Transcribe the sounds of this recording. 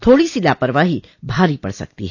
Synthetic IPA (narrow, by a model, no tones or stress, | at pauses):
t̪ʰoːɽisilaːpəɾəʋaːɦi | bʱaːɾipɐ̰ɽsɐ̰k̚t̪ḭɦɛ